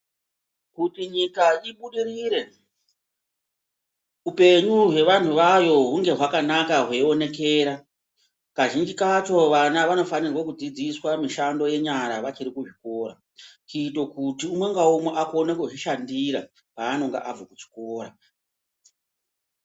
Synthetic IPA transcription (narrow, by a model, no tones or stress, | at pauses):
kutiɲikaiɓuɗiriːɾe̞ | upe̞ɲuɦe̞ʋan̤uʋajo̞ɦuŋɡe̞ɦwakanakaɦweone̞k̬e̞ːɾa | kaʒind͡ʒikat͡ʃo̞ʋanaʋano̞fanirwokud͡zid͡ziswamiʃando̞je̞ɲaɾaʋat͡ʃiɾikuʐiko̞ːɾa̰ | t͡ʃiːto̞kutiumwe̞ŋɡaumweʔakonekeʐiʃandiɾa̰ | paːno̞ŋɡa̰ʔab͡vokut͡ʃi̥koːɾa